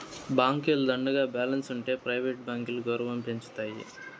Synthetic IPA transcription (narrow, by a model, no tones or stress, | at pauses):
baːŋkeld̪ɐɳɖɐɡaːbaːlɐnsuɳʈe̞ːpɾɐjʋeːʈ̚baːŋkiluɡɐwɾɐʋɐmpe̞ɲt͡ʃu̥t̪aːjḭ